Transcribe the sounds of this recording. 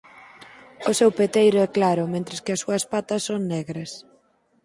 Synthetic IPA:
ʊsewpet̪ejɾʊɛklaɾʊmẽnt̪ɾɪskɪɐsːuɐspat̪ɐsːoŋnɛɣɾɐs

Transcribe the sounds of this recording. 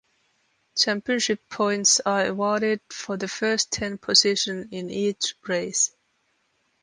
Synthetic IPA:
t͡ʃʰæ̃mpiɨ̃nʃɪpʰɔ̃ɪ̃ntsəəwɔɹɾɪd̥̚fəðɨfɜ˞stʰɛ̃npʰəzɪʃə̃nɪ̃nit͡ʃɹeɪs

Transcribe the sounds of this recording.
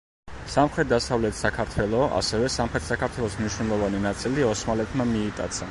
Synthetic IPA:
samχɾɛt̪̚d̪asavlɛt̪ʰsakʰaɾt̪ʰwɛlˠɔa̰sɛvɛsamχɾɛt̪ʰsakʰaɾt̪ʰwɛlˠɔsmniʃwnɛlˠɔvaninat̪sʼiliɔsmalɛt̪ʰmamiːt̪ʼa̰t̪sʰa

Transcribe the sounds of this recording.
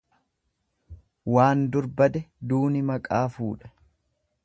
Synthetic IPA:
waːnd̪ʊɾbɐd̪ɛd̪uːnɪmɐkʼaːfuːᶑɐ̥

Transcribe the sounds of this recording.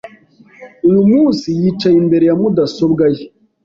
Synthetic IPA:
musijit͡ʃainbeɾjamudasobɡaj

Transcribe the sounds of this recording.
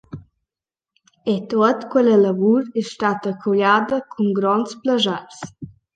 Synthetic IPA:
et̪oət̪kwɛlələvuɾɛʃt̪at̪əkʰuʎad̪əkʰuŋɡɾɔnsplaʒaɾs

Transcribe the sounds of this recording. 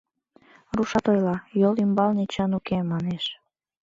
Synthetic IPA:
ruʃɑt̪ojlɑjolymbɑlnet͡ɕənukemːɑneʃ

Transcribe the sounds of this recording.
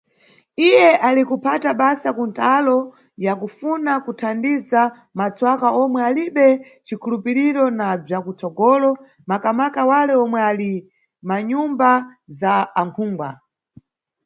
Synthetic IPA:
ijɛʔalikupʰataɓasakuntʰalɔ | jakufunakutʰandiza | mat͡swakaʔɔmwɛaliɓɛ | t͡ʃikʰulupiɾiɾɔnab͡ʐjakut͡sɔɡɔːlɔ | makamakawalɛɔmwɛali | maɲumbazaːŋkʰuːŋɡwa

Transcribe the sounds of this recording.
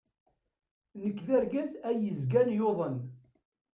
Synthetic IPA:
nəkːðæɾɡæzæjəzɡænjoðˤən

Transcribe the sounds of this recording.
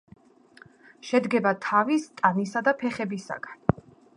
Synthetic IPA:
ʃɛd̪ɡɛbat̪ʰavist̪ʼanisad̪apʰɛχɛbisa̰ɡan

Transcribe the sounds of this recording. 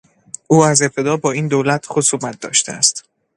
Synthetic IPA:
ʔuːæze̞p̚t̪ʰe̞d̪ɒːbɒːiːnd̪olæt̪ʰχosuːmæt̪̚d̪ɒ̰ːʃt̪ʰḛæst̪

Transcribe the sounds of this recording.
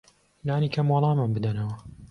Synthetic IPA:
laːnikʰɐmwɑlˠɑːmambɨd̪ɐnɐwɐ

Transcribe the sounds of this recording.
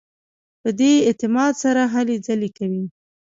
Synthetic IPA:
pəd̪eɪt̪ɪmɑd̪saɾaɦaled͡zalekawi

